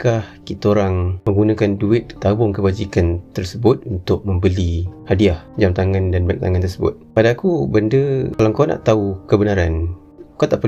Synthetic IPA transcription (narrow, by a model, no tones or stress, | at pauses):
kahkit̪aoɾaŋməŋɡunãkanduɪt̪̚t̪abʊŋkəbad͡ʒikant̪ərsəbʊt̪̚unt̪ʊk̚məmbəlihadiahd͡ʒamt̪aŋandanbak̚t̪a̰ŋant̪ərsəbʊ̰t̪̚padaːkubəndəkalaŋkana̰ʔt̪aukəbənaɾan | kat̪aʔpə